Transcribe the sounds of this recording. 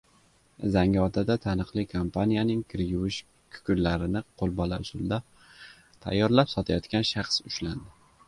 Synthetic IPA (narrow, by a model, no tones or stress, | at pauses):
zaŋʲɒt̪ʰad̪at̪ʰanɨqlˠɪkʰompʰanijanɪŋkʲʰɪɾjʊwɪʃ | kʰʊ̥kʲʰʊllaɾɪnɪqʰolˠbɒlaʊsʊld̪a | t̪ʰa̰jːɒɾlapsɒt̪ʰajɒt̪kʲanʃaχsʊʃland̪ɪ